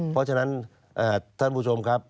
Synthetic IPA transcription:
pʰɔ˦˥t͡ɕʰa˧na˦˥n | ʔaː˧˩t̪ʰa˥˩npʰuː˦˧˥t͡ɕʰo˧mkʰa˦˥p̚

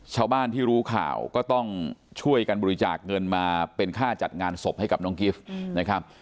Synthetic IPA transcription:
t͡ɕʰaː˥˩wbaː˥˩nt̪ʰiː˥˩ɾuː˦˥kʰa̰ː˨˩wkɔː˥˩t̪ɔ˥˩ŋt͡ɕʰu˥˩əjka˧nbɔː˧i˦t͡ɕaː˨˩k̚ŋɤ˧nmaː˧pe˧nkʰaː˥˩t͡ɕa˨˩t̪̚ŋaː˧nso˨˩p̚ha˥˩jka˨˩p̚nɔː˦˥ŋki˦˥˩fna˦˥kʰa˦˥p̚

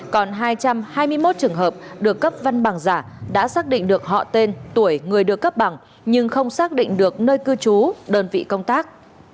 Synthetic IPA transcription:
kɔ˨˩nɦaː˧jt͡ɕa˧mhaː˧jmɨ˧əjmo˦˥t̚t͡ɕɨ˨˩əŋɦəː˨˩p̚ɗɨ˨˩əkːə˦˥p̚va˧nɓa˨˩ŋzaː˧˩ | ɗa̰ː˧˥saː˦˥k̚ɗḭ̈˧˨ŋ̟ɗɨ˨˩ək̚ɦɔ̰˧˨t̪e˧nt̪u˧˩əjŋɨ˨˩əjɗɨ˨əkːə˦˥p̚ɓa˨˩ŋ | ɲɨ˧ŋxə˧wŋ͡msaː˦˥k̚ɗḭ˧˨ŋ̟ɗɨ˨˩ək̚nəː˧jkɨ˧t͡ɕu˨˦ɗəː˧nvḭ˧˨kə˧wŋ͡mt̪aː˦˥k̚

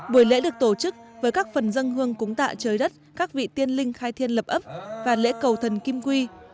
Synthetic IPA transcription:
ɓu˨˧˩əjlḛ˧˥ɗɨ˨˩ək̚t̪o˧˩t͡ɕɨ˦˥k̚vəː˨˦jkaː˦˥k̚fə˨˩nzə˧ŋɦɨ˧əŋkʊ˨˦ŋ͡mt̪a̰ː˧˨t͡ɕəː˨˦jɗə˦˥t̚kaː˦˥k̚vḭ˧˨t̪i˧ənlï˧ŋxaː˧jt̪ʰi˧ənlə˨˩p̚ʔə˦˥p̚vaː˨˩lḛ˧˥kə˨˩wt̪ʰə˨˩nki˧mkwi˧

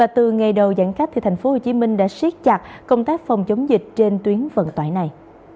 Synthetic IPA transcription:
vaː˨˩t̪ɨ˨˩ŋa˨˩jɗə˨˩wza̰˧˥ŋka˦˥k̚t̪ʰi˨˩t̪ʰa˨˩jŋ̟fo˨˦ho˨˩t͡ɕi˨˦mï˧ŋ̟ɗa̰ː˧˥swi˦˥t̚t͡ɕa˨˩k̚kə˧wŋ͡mt̪aː˦˥k̚fa˨˩wŋ͡mt͡ɕə˨˦wŋ͡mzï˨˩k̟̚t͡ɕe˧nt̪wi˨˦ənvə̰˧˨nt̪waː˧˨jna˨˩j

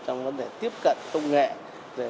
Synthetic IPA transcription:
t͡ɕɔ˧wŋ͡mvə˧˦nɗe˨˩t̪i˦˥əp̚kə̰˧˨nkə˧wŋ͡mŋḛ˧˨ | ve˨˩

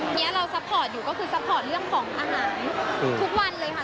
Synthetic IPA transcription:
ni˦˥ɐɾa˧wsa˦˥p̚ʰɔː˨˩t̪̚juː˨˩kɔː˥˩kʰɯː˧sa˦˥p̚ʰːɔː˨˩t̪̚ɾɯ˥˩əŋkʰɔː˩˦ŋʔa̰ː˧ɦaː˩˦nːʰ˧u˦˥k̚wa˧nlɤː˧jma˦˥

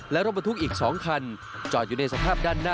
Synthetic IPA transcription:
lɛ˦˥ɾo˦˥ba˧t̪ʰu˥k̚ʔiː˨˩k̚sɔː˩˦ŋkʰa˧n | t͡ɕɔː˨˩t̪̚uː˨˩na˧jsa˧pʰaː˥˩p̚daː˥˩nːaː˥˩

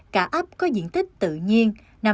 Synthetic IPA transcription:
kaː˧˩ʔa˦˥p̚kɔ˨˦zḭ˧˨ənt̪ʰï˦˥k̟̚t̪ɨ̰˧˨ɲi˧ən | na˨˩

